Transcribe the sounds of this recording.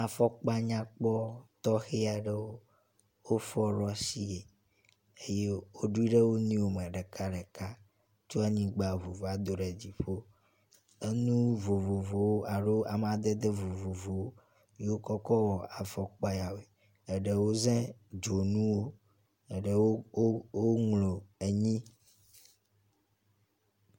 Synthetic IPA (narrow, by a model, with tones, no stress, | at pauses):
a˨fɔ˦k͡pa˦ɲã˦k͡pɔ˦t̪ɔ˦xe˦a˨ɖe˦wo˦ | wo˦fɔ˦ɖɔ˦si˦je˨ | e˦je˦wo˦ɖu˦i˦ɖe˦wo˦nĩ˦wo˦mɛ̃˨ɖɛ˨ka˦ɖɛ˨ka˦ | t͡ʃo˦a˦ɲĩ˦ɡ͡ba˨vo˨vo˨a˨d̪o˨ɖɛ˨d͡ʑi˨ɸo˦ | e˦nũ˦vo˨vo˨vo˨wo˦ʔa˨ɖo˦a˨m˦a˨d̪e˦d̪e˦vo˨vo˨vo˨wo˦ | je˦wo˦kɔ˦kɔ˦wɔ˨a˨fɔ˨k͡pa˦ja˨we˨ | ɛ˨ɖe˨wo˦zɛ̃˦d͡ʒo˨nũ˦wo˦ | ɛ˨ɖɛ˨wo˦wo˦ŋlo˨e˨ɲĩ˦